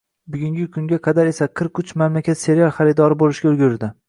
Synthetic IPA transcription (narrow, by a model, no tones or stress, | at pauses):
bʊɡʲʊŋʲɪkʰʊŋɡʲaqʰɑd̪aɾe̞saqʰɨɾkʰːʊt͡ʃmamlakʲʰat̪se̞ɾialˠχɑɾɪd̪ɒɾɪbolɪʃɡʲaʊlɡʲʊɾd̪ɪ